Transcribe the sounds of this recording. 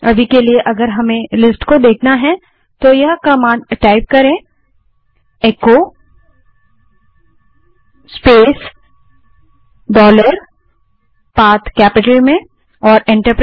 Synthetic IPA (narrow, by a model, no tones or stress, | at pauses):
ɐbʱikelieʔɐɡəɾɦɐmẽlɪsʈkod̪eːkʰnaɦɛ̃ | t̪ojɐɦkɐmãːʈaːɪp̚kɐɾẽ | eːko | speːs | ɖɔːləɾ | paːt̪ʰkɛːpɪʈəlmẽ | ɔːɾɪ̃ɳʈəɾpɾ